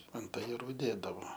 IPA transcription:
ɐnt ɐjɛˈruː ˈdʲeːdɐʋoː

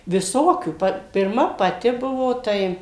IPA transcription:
ʋʲɪˈsoːkʲuː ˈpɐ pʲɪrˈmɐ pɐˈtʲɪ ˈbʊʋoː ˈtɐɪ

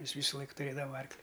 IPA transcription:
ˈjɪs ˈʋʲiːsʊlˠɐɪk tʊˈrʲeːdɐʋɐ ˈɐrklʲɪ

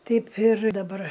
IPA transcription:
ˈtʲɛɪp ɪr dɐˈbɐr

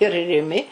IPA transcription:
ɪr rʲɪˈmʲɪ

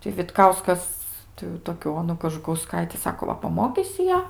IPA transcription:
tʲɪ ʋʲɪtˈkɐʊskɐs tɐɪ jɛʊ ˈtoːkʲʊ ˈoːnʊ kɐʒʊkɐʊˈskɐɪtʲɪ ˈsɑːkoː ˈʋɐ pɐˈmoːkʲiːsʲɪ ˈjæː

